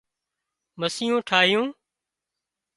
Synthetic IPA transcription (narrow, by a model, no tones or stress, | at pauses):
məsɪjõːʈʰaːɦɪjũː